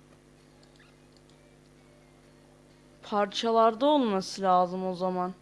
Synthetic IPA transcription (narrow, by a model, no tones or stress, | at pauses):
pʰaɾt͡ʃʰalˠaɾd̪aolˠmasɯlʲaːzɯmo̞zaman